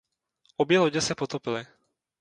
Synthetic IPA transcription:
ɔbɪɛlɔɟɛsɛpɔt̪ɔpilɪ

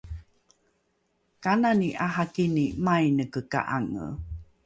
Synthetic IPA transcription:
kananiʔaɦakinimajnəkəka̰ʔaŋə̰

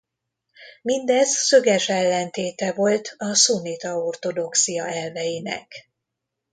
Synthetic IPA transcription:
mind̪ɛzsøɡɛʃɛlːɛnt̪eːt̪ɛvo̞lt̪ʰɒsunit̪ɒo̞rt̪o̞d̪o̞ksijɒɛlvɛjinɛ̰k

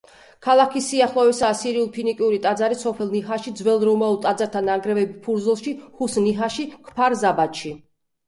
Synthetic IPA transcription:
kʰalˠakʰisiaχlˠɔvɛsaːsiɾiulˠpʰinikʼiuɾit̪ʼad̪zaɾisɔpʰɛlˠniɦaʃid̪zwɛlˠɾɔmaulˠt̪ʼad̪zaɾt̪ʰanaŋɡɾɛvɛbipʰuɾdzulˠʃihusniɦaʃikʰpʰaɾzabat̪ʃi

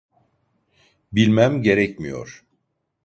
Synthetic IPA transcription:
bilʲmæmɟe̞ɾɛcmijo̰ɾ̥

